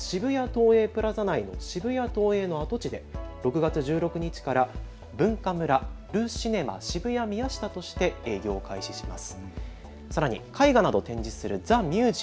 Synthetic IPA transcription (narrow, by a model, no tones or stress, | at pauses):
ɕibɯ̟jat̪o̞ːe̞ːpɯ̟ɾazanaino̞̰ɕibɯ̟jat̪o̞ːe̞ːno̞at̪o̞t͡ɕid̪e̞ɾo̞kɯ̟ɡat͡sɨʑɨːɾo̞kɯ̟ɲ̟it͡ɕi̥kaɾa | bɯ̟̃ŋkamɯ̟ɾa | ɾɯ̟ːɕine̞ma̰ɕibɯ̟jamʲijaɕi̥t̪at̪o̞ɕi̥t̪e̞e̞ːɡʲo̞ːkaiɕi̥ɕima̰sɨ̥ | saɾaɲ̟ḭkʰaiɡanad̪o̞t̪ẽ̞ɲ̟d͡ʑisɨɾɯ̟d͡zamʲɯːʑi